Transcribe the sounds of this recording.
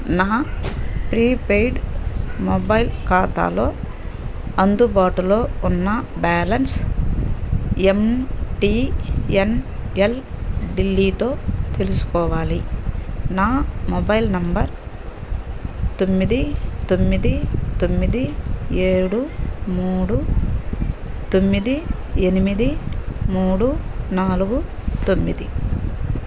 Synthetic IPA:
naːpɾiːpejɖmobɐjlkaːt̪a̰ːlo̞ː | ɐnd̪ubaːʈulo̞ːunːɐbaːlɐns | emʈiːenelɖilːiːt̪o̞ːt̪e̞lusu̥kɔːʋaːli | naːmobɐjlnɐmbɐɾ | t̪o̞mːid̪it̪o̞mːid̪it̪o̞mːid̪ieːɽumuːɽu | t̪o̞mːid̪i | enimid̪imuːɽunaːluɡu | t̪o̞mːid̪i

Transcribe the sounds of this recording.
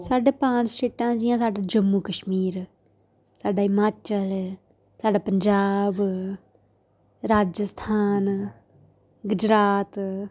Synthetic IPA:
saːɖeːpãːt͡ʃsʈeːʈãːd͡ʒɪjãːsaːɖaːd͡ʒəmːukəʃmiːɾ | saːɖaːɪmaːt͡ʃəl | saːɖaːpəɲd͡ʒaːb | ɾaːd͡ʒəst̪ʰaːn | ɡʊd͡ʒɾaːt̪

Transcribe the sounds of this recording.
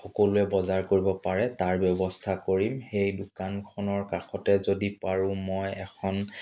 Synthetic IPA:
xɔkolʊɛbɔzaɹkoɹibɔpaɹɛtaɹbjɔbɔstʰakoɹimxejdʊkankʰɔnɔɹkaxɔtɛzodipaɹʊ̃mɔjɛkʰɔn

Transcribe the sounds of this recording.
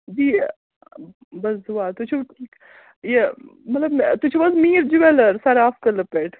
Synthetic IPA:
d͡ʒiː | bɐszuaːt̪ut͡ʃʰeʈʰiːk | jemɐt̪lɐbmt̪ut͡ʃʰebɐsmiːɾd͡ʒiʋɛlɐɾsaːɾaːfkɐlɐpeːʈʰ

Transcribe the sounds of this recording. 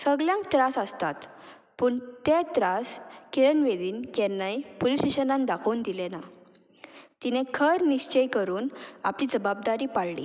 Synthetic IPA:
səɡljãŋkt̪ɾasəst̪at̪ | pəːɳt̪et̪ɾaskeɾənʋed̪iːnkɛnːajpolisʈeɕənãnd̪akʰəund̪ilena | t̪inẽkʰəɾniɕt͡ɕəjkəɾuːna̰pliːd͡zəbab̚d̪aɾiːpaɽlḭ

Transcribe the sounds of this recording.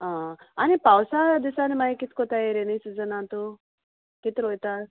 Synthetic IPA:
ɦãanipawsad̪isanmaikit̪kot̪ajeɾenəjsud͡zənat̪o | kit̪ɾojt̪a

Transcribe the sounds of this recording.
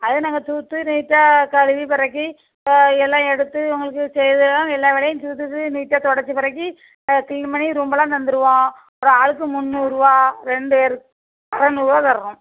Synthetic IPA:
ɐðɯnaːŋɡɐt̪uːt̪ːɯniːʈːakɐɽɯʋipɪɾɐkːi | ɛlːãːɛɽɯt̪ːɯʊŋɡɐɭɯk̬ːɯsɛjɐðɯlãːɛlːaːʋɪɽɐjɯ̃t̪uːt̪̬ːɯt̪ːɯniːʈːaːt̪ɔɽɐt͡ʃːɯpɪɾɐk̬ːi | kɪlnmɐniɾumbɐlãːnɐnd̪ɯɾɯʋõːɐpɯɾɐaːɻɯk̬ːɯmʊnːɯɾɯʋãːɾɛɳɖɯɛɾɯ | ɐɾɐnuɾʋaːt̪ɐɾɐɾʊ̃

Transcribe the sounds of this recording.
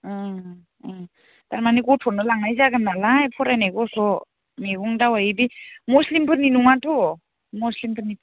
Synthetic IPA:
taɾmaniɡɔtʰɔnɯlaŋnajzaɡɯnːalajpʰɔɾajnajɡɔsʰɔ | meɡuŋdawajibimuslimpʰɯɾninuŋatʰɔ | mɔslimpʰɯɾni

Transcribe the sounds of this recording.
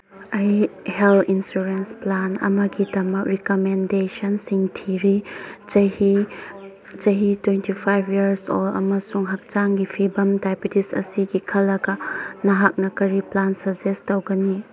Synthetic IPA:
ɐjhelinsuɾensplanɐ̰mɐɡidɐmɐk̚ɾikomendesɐnsiŋtʰiɾi | hi | t͡ʃɐɦitwentipʰajbʱiɐɾso̰lɐ̰mɐsuŋɦɐk̚t͡ʃaŋɡipʰibɐmdajpitisɐ̰siɡikʰɐlːɐɡɐnɐɦak̚nɐkɐɾiplansɐzestowɡɐni

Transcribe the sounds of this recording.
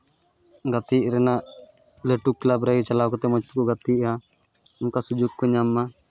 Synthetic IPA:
ɡat̪iʔɾɛnaʔ | leʈukːlabɾɛit͡ʃalawkɔt̪ɛmɔt͡ʃt̪ukɔɡat̪iʔa | ʊnkasud͡ʒuɡkɔɲamːa

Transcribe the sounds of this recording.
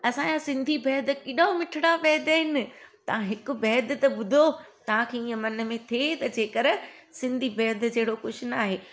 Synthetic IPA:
ɐsãːd͡ʑasɪ̃nd̪ʱibɛːd̪kɪɗaomɪʈʰɪɽabɛːd̪aɦɪnɪ̆t̪ɐʋ̤ãɦɪkʊ̆bɛːd̪ʱt̪ɐɓʊd̪ʱot̪ɐʋ̤ãkʰeːiə̃mɐnə̆mẽt̪ʰet̪ɐd͡ʑeːkɐɾsɪ̃nd̪ʱibɛːd̪d͡ʑɐɦɪɽokʊʃʊnaːɦeː

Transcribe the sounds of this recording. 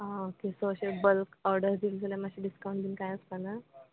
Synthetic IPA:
ãokesoɕebəlkɔɾɖəɾd͡zild͡zəlãmaɕiɖiskaw̃ɳʈd̪inkajəskana

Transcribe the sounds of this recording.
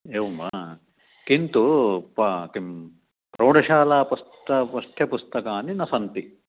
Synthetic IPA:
eːʋmɐ | kint̪upɐkim | pɾoːɖɐʃaːlaːpust̪ɐpɐst̪ʰjɐpust̪ɐkaːninɐsɐnt̪i

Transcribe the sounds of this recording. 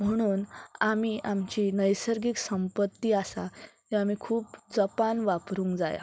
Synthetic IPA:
m̤əɽ̃uːnamiʔamt͡ɕiːnəjsəɾɡiksəmpət̪ːiːasat̪iamikʰuːpd͡zəpanʋapɾuːŋkd͡za̰ja̰

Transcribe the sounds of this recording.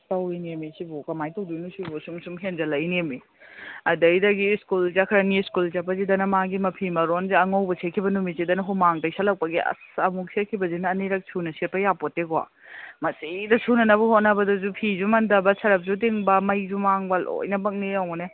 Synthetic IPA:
tɐwinemisibokɐmajtɐwdunusibosumsumɦenzɐlɐjnimi | ɐdɐjdɐɡiskulzakʰɾɐniskulzapɐzidɐnɐmaɡimɐpʰimɐɾonziɐŋawbɐsʰekʰːibɐnumit̚sidɐnɐɦumaŋtɐjsʰalɐk̚pɐɡiɐ̰sɐmuksʰekʰibɐzinɐːneɾɐk̚sʰunɐsepɐjapoteɡoa̰ | mɐsidɐsʰunɐnɐβɐhot̚nɐbɐdɐzupʰizumɐndɐbɐsʰɐɾɐp̚zudeŋbɐmɐjzumaŋbɐlʔo̰jnɐbɐk̚niawne

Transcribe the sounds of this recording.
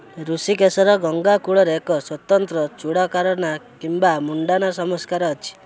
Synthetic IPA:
ɾusikesɔɾɔɡɔŋɡakuɭɔɾekɔswɔt̪ɔnt̪ɾɔt͡ʃuɽakaɾɔnakimbamuɳɖanasɔmɔskaɾɔːt͡ʃʰi̥

